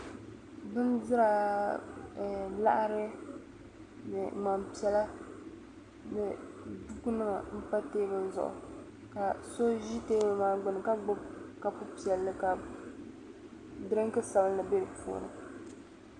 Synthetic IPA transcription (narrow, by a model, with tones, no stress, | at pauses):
bɨ˦ndɨ˦ɾa˨ | la̰˦ʔɾɨ˦ | nɨ˨ma˨mpi˨ɛ˨la˦ | nɨ˨ | du˦ku˦nɨ˦ma˨m̩˦pa˦teː˦bɨ˦zʊ̰˨ʔʊ̰˨ | ka˨so˦ʒi˦teː˦bɨ˦maː˦ɡ͡bʊ˨nɨ˨ka˦ɡ͡bʊ˦bka˨pu˦pi˨ɛ˨lːɨ˦ka˨ | dɾɨ˦ŋ˦kɨ˦sa˨bnɨ˨be˦ɾɨ˨pṵː˨nɨ̰˨